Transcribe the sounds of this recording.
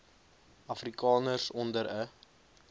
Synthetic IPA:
ɐfrikɑːnərsɔndəɾə

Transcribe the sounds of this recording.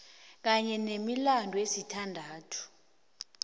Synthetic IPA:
k̬aɲɛnemilandʱɔesitʰandʱaːtʰu̥

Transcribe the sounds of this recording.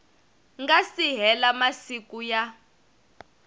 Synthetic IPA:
ŋɡasiɦɛlamasikuja

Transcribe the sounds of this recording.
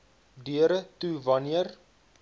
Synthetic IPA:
dyəɾətuvɐniər

